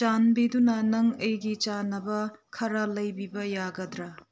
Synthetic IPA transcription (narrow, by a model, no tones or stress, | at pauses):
t͡ʃanbidunɐnɐŋɐjɡit͡ʃanːɐbɐkʰɐɾɐlɐjbibɐjaɡɐdɾɐ